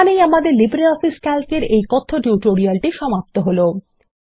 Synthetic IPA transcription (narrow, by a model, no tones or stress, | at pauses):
anejamad̪eɾlibɾalɔfiskalkeɾejkɔt̪ʰːoʈjuʈoɾialʈiʃɔmap̚t̪oɦolo